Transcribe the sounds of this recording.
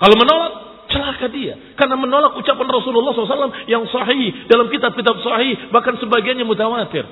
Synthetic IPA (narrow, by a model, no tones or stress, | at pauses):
kalomənolak̚ | t͡ʃəlakadia | karnamənolak̚ut͡ʃapanrɔsululːɑhslsalːamjaŋsɑɦihdalamkit̪ab̚kit̪ab̚sɑhihbahkansəbaɡianɲamut̪awat̪ɪ̰r